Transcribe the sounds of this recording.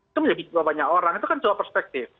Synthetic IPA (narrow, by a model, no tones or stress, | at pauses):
k̪aməd͡ʒabibabaɲaʔoɾaŋit̪ukand͡ʒowapɛrspɛk̚t̪ɪf